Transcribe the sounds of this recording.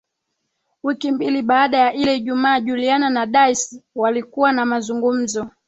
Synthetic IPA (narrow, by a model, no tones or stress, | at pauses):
wikimbiliɓaːɗajaʔilɛiʄumaːʄuliananaɗaiswalikuwanamazuŋɡum̩zɔ